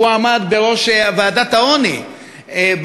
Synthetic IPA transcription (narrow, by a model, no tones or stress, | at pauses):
uamad̪beʁo̞ʃevead̪at̪aoni | b